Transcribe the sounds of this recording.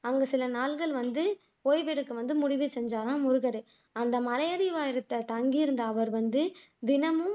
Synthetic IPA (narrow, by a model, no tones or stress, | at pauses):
ɐŋɡɐsɪlɐnaːlɣɐɭʋɐnd̪ɯ | oːjʋeːɽɯkːɯʋɐnd̪ɯmʊɽɪʋesɛɲd͡ʒaːɾãːmʊɾɯɣɐɾɯ | ɐnd̪ɐmɐlɐjɐɽɪʋaːjɪɾɯt̪ːɐt̪ɐŋɡijɪɾɯnd̪aːʋɐɾʋɐnd̪ɯ | d̪ɪnɐmɯ